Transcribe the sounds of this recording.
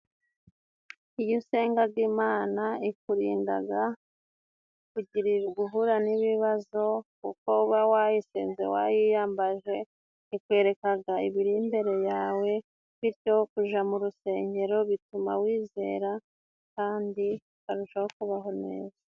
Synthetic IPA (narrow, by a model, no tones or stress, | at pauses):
ijuse̞ːŋɡaɾɡiːmaːnaikuɾḭːnda̰ɡa | kuɟiɾiɡuɦuɾaniβiβazo̞kṵkouβawajisḛːnze̞̰wa̰jijaːmbaʒe̞ | ikwe̞ːɾe̞kaɡaiβiɾimbe̞ɾe̞jaːwe̞ | βiɾɟo̞kuʒamuɾuse̞ːɲɟe̞ɾo̞βituma̰wiːze̞̰ːɾa | kaːndi | βaɾuʃahokuβaɦo̞nḛːza